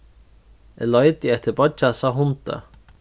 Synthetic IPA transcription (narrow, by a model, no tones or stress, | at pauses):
ɛ̰lɔjt̪iɛht̪ɪbɔt͡ʃːasaɦʊnt̪a̰